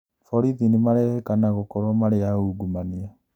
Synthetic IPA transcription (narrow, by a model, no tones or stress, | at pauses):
fɔɾiðinimaɾɛɛkanaɣokɔɾwamaɾeauɡumania